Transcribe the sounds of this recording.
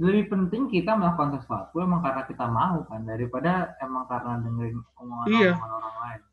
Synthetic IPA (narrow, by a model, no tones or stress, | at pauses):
ləbipənt̪ɪŋkit̪aməlakansəsua̰t̪̚uemaŋkaɾənakit̪amaɦukandaɾipadaemaŋkaɾənadəŋəɾɪnəŋoaiaŋanoɾaŋlaɪn